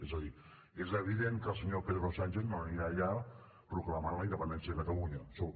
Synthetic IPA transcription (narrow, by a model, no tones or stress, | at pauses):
ezəði | ezəβ̞iðeŋkəlˠsəɲopeðɾosanʲʒeθnoniaʎa | pɾukləmanləind̪əpənd̪ɛnsjəðəkət̪əluɲəso